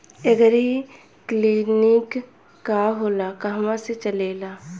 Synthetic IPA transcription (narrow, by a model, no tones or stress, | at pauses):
eɡəɾi | kliːnikː | aɦoːlakaɦmãset͡ʃəleːlaː